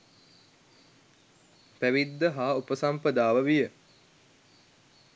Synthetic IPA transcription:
pæʋid̪ːəɦaːupəsampəd̪aːʋəʋijə

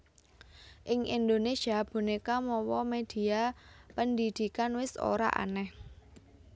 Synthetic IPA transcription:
ʔɪŋʔind̪onesiab̥ṳnekamɔwɔmed̪̥i̤apənd̪id̪̥i̤kanwɪso̰ɾa̰ʔa̰nɛh

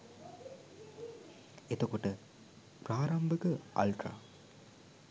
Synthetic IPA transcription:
et̪okoʈə | praːɾɐmbʱəkəɐ̰lʈra̰

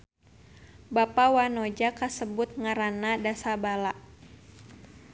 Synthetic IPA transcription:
bapawanod͡ʒakasəbʊt̪̚ŋaɾanadasabalaʔ

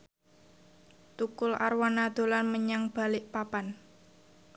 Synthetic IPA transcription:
t̪ukʊlʔa̰rwanad̪̥o̤lanməɲaŋb̥a̤lɪʔpapan

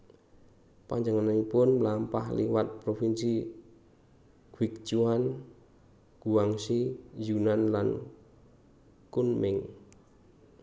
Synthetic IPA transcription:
paɲd͡ʒəŋanaŋipʊnmlampa̰hlḭwat̪̚pɾofinsi | ɡ̥wik̚t͡ʃuan | ɡ̥uaŋsijunanlan | kunmɪŋ

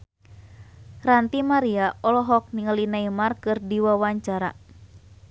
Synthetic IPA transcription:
rant̪imaɾiaʔɔlɔɦɔk̚niŋəlinaimarkɨrdiwawaɲt͡ʃaɾa̰

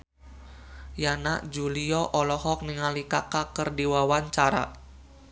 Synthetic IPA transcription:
janaʔd͡ʒuliɔʔɔlɔɦɔk̚niŋalikakakərdiwawaɲt͡ʃaɾa̰

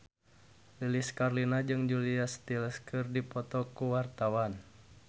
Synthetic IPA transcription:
liliskarlinad͡ʒɨŋd͡ʒuliast̪iləskɨrdipɔt̪ɔkuwart̪awan

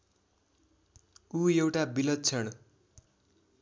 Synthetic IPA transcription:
ujewʈabilʌt̪̚t͡sʰʌɽ̃

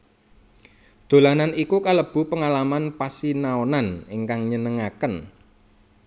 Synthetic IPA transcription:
d̪̥o̤lananikukaləb̥ṳpəŋalamanpasinaonaneŋkaŋɲənəŋakən

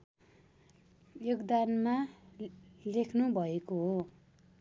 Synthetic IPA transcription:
joɡd̪anma | lekʰnubʱʌekoɦo

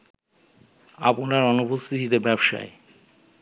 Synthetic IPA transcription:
a̰ponaɾɔnupost̪ʰit̪ʰit̪ebɛbʃa̰e

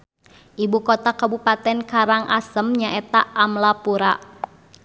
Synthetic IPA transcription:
ʔibukot̪akabupat̪ɛnkaɾaŋʔasəmɲaʔɛt̪aːmlapuɾaʔ

